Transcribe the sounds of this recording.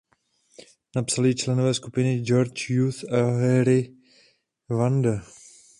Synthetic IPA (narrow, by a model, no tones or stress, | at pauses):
napsalɪt͡ʃlɛnovɛːskupɪnɪd͡ʒoɾt͡ʃjuθaɦɛɾɪ | vandə